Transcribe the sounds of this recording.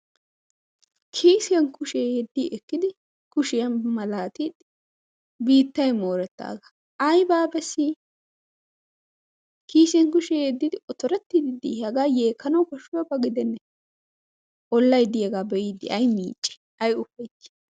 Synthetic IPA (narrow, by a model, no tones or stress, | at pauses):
kʰiːsɪjɐnkʊʃeɛd̪ːiːʔɛkːɪd̪ɪ | kʊʃɪjɐnmɐlaːt̪id̪ | biːt̪ːɐjmoːɾɛt̪ːa̰ːɡɐ̥ | ɐjbaːbɛsːi | kiːsɛŋkʊʃeɛd̪ːɪd̪ɪɔt̪ɔɾɛt̪ːɪd̪ɪd̪ḭɐɡaːjeːkːɐnɐwkɐʃːʊwɐbɐɡɪd̪ɛnːɛ | ʔɔlːɐjd̪ɪjɐɡaːbɛjɪd̪ɪ̰ɐjmḭːt͡ʃʼːɛ̥ | ʔɐjʊfɐjt͡ʃː